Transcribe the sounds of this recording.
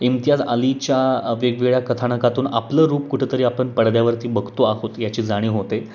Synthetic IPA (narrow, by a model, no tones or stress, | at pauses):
imt̪ijad͡za̰lit͡ɕjaʋeɡʋeɭjakət̪ʰaɳəkat̪uːna̰pləːɾuːpkuʈʰet̪əɾiːapəɳpəɽd̪jaʋəɾt̪iːbəɡʱt̪oaɦot̪jat͡ɕiːd͡zaɽ̃iːɦot̪e